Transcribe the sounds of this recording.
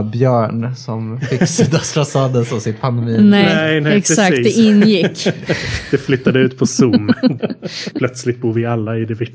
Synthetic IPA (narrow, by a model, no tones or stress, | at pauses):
bjœːɳsɔmfɪsiːd̪asɾasɑːd̪ənsɔmsɪt̪pʰand̪ɛmiːnɛɛnɛɛksakt̪ːd̪ɛɪnːjɪkːd̪̥ɛflʏt̪ːad̪əʉ̟ːt̪pʰɔsumːənpʰlœt̪slɪt̪̚buːɾvɪalːaɪd̪ɛvɪ